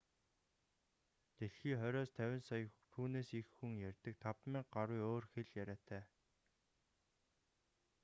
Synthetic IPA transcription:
t̪eɮxiːχœɾʲɔːst̪ʰæwʲɪ̆nsɔj̆kt̪ʰuːneːsixːuŋjærʲt̪ə̆k̚t̪ʰapmiːɢaɾwujoːrxeɮjæɾʲæːt̪ʰæː

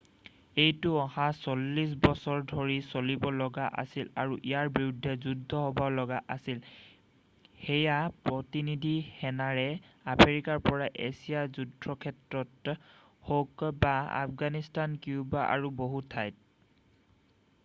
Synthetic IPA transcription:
ejtʊɔhasolːis̬bɔsɔɹdʱoɹisolibɔlɔɡaʔa̰silaɹuʔijaɹbiɹudʱːɛzudʱɔɦɔbɔlɔɡaʔasil | xejapɹɔtinidʱixɛnaɹɛamʰeɹikaɹpɔɹaʔesijazudʱɹɔkʰɛtɹɔt | hokbaa̰pɡanistankiubaʔa̰ɹuboɦutʰːajt̚

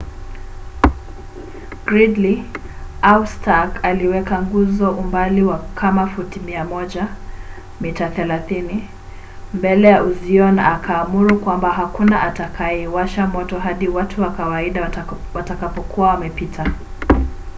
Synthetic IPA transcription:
ɡ̥ɾidli | awstakaliwɛkaŋɡuzɔʔumbaliwakʰamafutimiamɔʄa | mitaθɛlaθini | mbɛlɛjauziɔna̰ːkʰaːmuɾukwambaɦakunaʔatakʰajɛwaʃamɔtɔɦaɗiwatʰuwakawaiɗawatakapɔkuwawamɛpitʰa

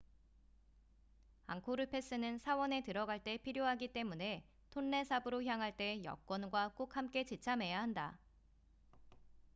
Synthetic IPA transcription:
a̰ŋkʰoɾɯpʰe̞s͈ɯnɯnsʰawʌne̞tɯɾʌɡaɭt͈e̞pʰiɾjoɦaɡit͈e̞mune̞ | tʰonːe̞sʰabɯɾoçjaŋɦaɭt͈e̞jʌ̰k͈̚wʌnɡwak͈ok̚hamk͈e̞t͡ɕit͡ɕʰamɦe̞jaɦanda

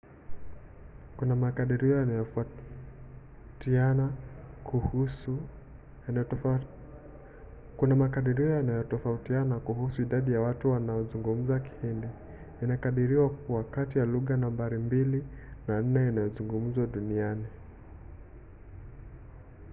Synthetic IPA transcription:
kunamakaɗiɾiɔjanajɔf | tiana | kunamakaɗiɾiɔjanajɔtɔfautianakuhusuiɗaɗijawatuwanaɔzuŋɡum̩zaki̥hindi | inakaɗiɾiwakuwakatijaluɣanambaɾimbilinan̩nɛinajɔzuŋɡum̩zwaɗuniani

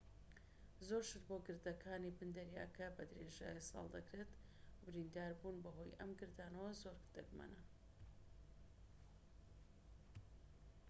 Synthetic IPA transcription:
zoɾʃɨɾboɡɨɾd̪ɐkʰaːnibɨnd̪ɐɾja̰kʰɐbɐd̪ɾeʒa̰ːjisɑ̰lˠd̪ɐkɾet̪bɨɾind̪aːɾbunbɐɦo̞jʔɐmɡɨɾd̪aːnɐwɐzoɾɡd̪̥ɐɡmɐ̰nɐ

